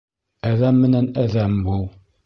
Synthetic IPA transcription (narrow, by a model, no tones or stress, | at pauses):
æðæmːɘnænæðæmbul